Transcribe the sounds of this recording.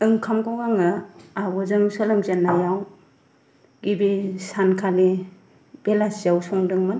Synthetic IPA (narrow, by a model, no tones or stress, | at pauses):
ɯŋkʰamkawɡaŋɯabɔzɯŋsalɯmzanajaw | ɡibisankʰali | b̥elasijawsɔŋdɯŋmɯn